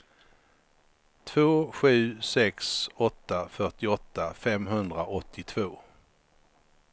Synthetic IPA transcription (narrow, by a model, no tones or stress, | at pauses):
t̪ʰv̥oːɧʉ̟ːsɛksɔt̪ːafœʈɪɔt̪ːafɛmɦɵnd̪ɾaʔɔt̪ʰːɪt̪ʰv̥oː